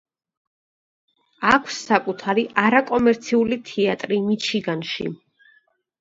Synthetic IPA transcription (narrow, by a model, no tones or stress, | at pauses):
akʷʰsːakʼut̪ʰaɾiʔaɾakʼɔmɛɾt̪sʰiulit̪ʰiat̪ʼɾimit͡ʃʰiɡanʃḭ